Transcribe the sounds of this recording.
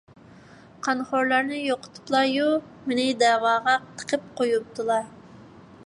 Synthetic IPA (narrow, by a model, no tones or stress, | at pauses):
qʰɑnχoɾlˠɑɾnɨjoqʰə̥t̪ʰɨ̥plˠɑju | menɪd̪ɛːwɑːʁɑt̪ʰə̥qʰəp̚qʰojup̚t̪ʰɨlˠɑɾ